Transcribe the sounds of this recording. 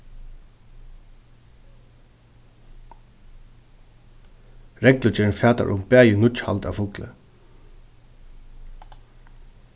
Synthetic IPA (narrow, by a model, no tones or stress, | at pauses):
ɹɛklʊt͡ʃɪnfæːt̪a̰ɹʔʊmpæːjɪnʊt͡ʃha̰lt̪a̰ʋfʊklə̰